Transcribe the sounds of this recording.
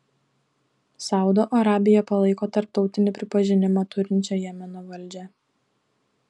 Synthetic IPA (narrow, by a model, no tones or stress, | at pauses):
sɑˑʊd̪oːʔɐɾɑːbʲɪjɛpɐlˠɐɪkoːt̪ɐɾp̚t̪ɒʊt̪ʲɪnʲɪpʲɾʲɪpɐʒʲɪnʲɪmɑt̪ʊɾʲɪnʲt͡ʃʲoːjɛmʲɛnʊʋɐlʲˑd͡ʒʲɛ